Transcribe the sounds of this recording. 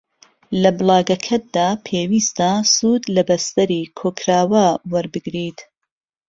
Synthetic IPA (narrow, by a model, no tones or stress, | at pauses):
lɐbɨlˠɑːɡɐkʰɐt̪̚d̪aːpʰeːwiːst̪ɐsuːd̪lɐbɐst̪ɐɾiːkʰoːkʰɾaːwɐwɐɾbɨɡɾiːt̪